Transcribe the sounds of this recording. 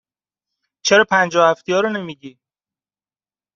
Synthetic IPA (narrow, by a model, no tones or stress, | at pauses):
t͡ʃʰeɾɒːpʰænd͡ʒɒːhæft̪ʰijɒːɾone̞miːɟiː